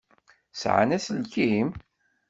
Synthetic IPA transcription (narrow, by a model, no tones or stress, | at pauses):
sʕa̰næsəlkim